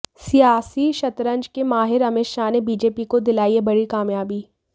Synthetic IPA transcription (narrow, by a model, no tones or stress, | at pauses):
sijaːsiʃɐt̪ɾə̃ɲd͡ʒkemaːɦɪɾɐmɪʃaːnebiːd͡ʒeːpikod̪ɪlaːiebɐɽikaːmjaːbiː